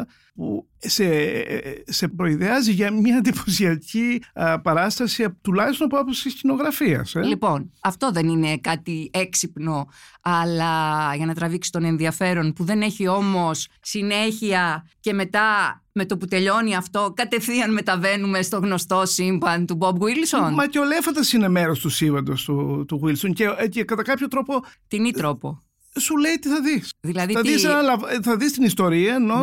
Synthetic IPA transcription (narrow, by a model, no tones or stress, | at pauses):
pṵ | se | se̞pɾo̞iðeɐziʝɐmɲɐnd̪iposiɐcipɐɾɐst̪ɐsiɐt̪ulɐçist̪onɐpoɐposiscino̞ɣɾɐfiɐ̰slipo̞nɐft̪o̞ðe̞nine̞kɐt̪ie̞ksipno̞ɐlɐʝɐnɐt̪ɾɐviksi̥t̪o̞ne̞nðiɐfe̞ɾo̞npuðe̞ne̞çio̞mo̞ssine̞çiɐce̞me̞t̪ɐ | me̞t̪oput̪e̞ʎo̞niɐft̪o̞kɐt̪e̞θiɐnme̞t̪ɐve̞nume̞st̪o̞ɣno̞st̪o̞simbɐnt̪ubobɣwilsonmɐceolefɐnd̪ɐsinemeɾost̪usivɐnd̪ost̪ut̪uɣwilsoncecekɐt̪ɐkɐpçot̪ɾo̞pot̪init̪ɾo̞po̞ | sule̞jt̪iθɐðisðilɐðiɐðisɐnɐlɐvθɐðist̪inist̪o̞ɾiɐno